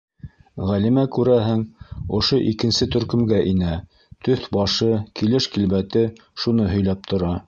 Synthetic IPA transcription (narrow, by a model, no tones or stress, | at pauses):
ʁælimækʉɾæɦɘŋŏʃoʔikɘ̆nsɘt̪ɵ̆ɾkɵ̆mɡæʔinæ | t̪ɵθbɑʃɤkilɘʃkilβæt̪ɘ | ʃunɤɦɵ̆jlæp̚t̪ʰŏɾɑ